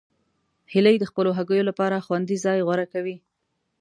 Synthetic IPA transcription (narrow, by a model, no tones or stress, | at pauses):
hɪləjd̪əxpəloɦaɡəjolapɑɾaxwand̪izɑjɣwaɾakawi